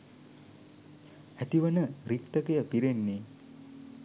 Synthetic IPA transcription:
æt̪iʋənəɾikt̪əkejəpiɾenːeː

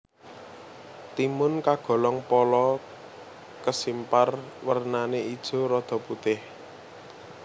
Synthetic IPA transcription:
t̪imʊnkaɡ̥ɔ̤lɔŋpɔlɔ | kəsimparwərnaneid̥ʒ̥o̤ɾɔd̪̥ɔ̤put̪ɪh

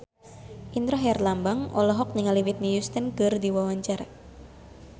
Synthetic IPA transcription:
ʔind̪ɾɔɦjarlambaŋʔɔ̰lɔɦɔk̚niŋaliwit̪̚nijust̪ənɡərd̪iwawaɲt͡ʃar

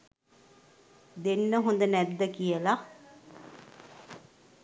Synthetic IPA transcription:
d̪enːəɦund̪ənɛd̪ːəkijəla

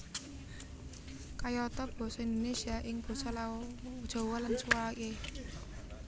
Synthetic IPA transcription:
kajɔt̪ɔb̥ɔ̤sɔind̪onesiaʔɪŋb̥ɔ̤sɔlad̥ʒ̥o̤wɔlant͡ʃuwake

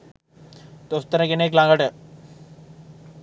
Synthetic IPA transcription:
t̪oʊst̪əɾɛ̃keneːklãːŋɡəʈɛː

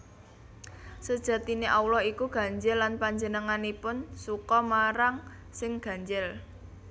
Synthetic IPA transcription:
səd̥ʒ̥ä̤t̪ineʔaulɔhikuɡ̥a̤ɲd͡ʒɪlːanpaɲd͡ʒənəŋanipʊnsukɔmaɾaŋ | sɪŋɡ̥ä̤ɲd͡ʒɪl

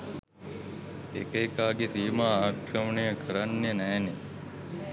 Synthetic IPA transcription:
ḛkəjkaːɡesiːmaːaːkɾəmənejəkʰəɾanːeənæːne

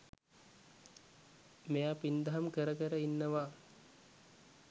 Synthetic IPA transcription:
mejapind̪aɦamkəɾəkəɾəinːəʋa

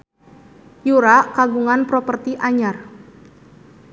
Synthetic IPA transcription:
juɾakaɡuŋanpɾopərt̪iʔaɲar

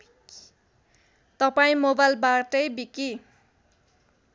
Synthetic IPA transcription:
t̪ʌpaĩmobajlbaʈʌjbiki

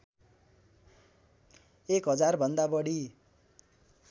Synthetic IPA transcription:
ekɦʌd͡zarbʱʌnd̪abʌɽi

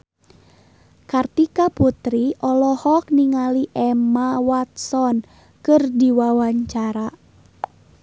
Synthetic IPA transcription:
kart̪ikaput̪ɾiʔɔlɔhɔk̚niŋaliʔɛmawat̪̚sɔn | kɨrdiwawaɲt͡ʃaɾa

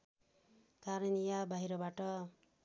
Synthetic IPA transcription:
kaɾenijabaɦiɾʌbaʈʌ

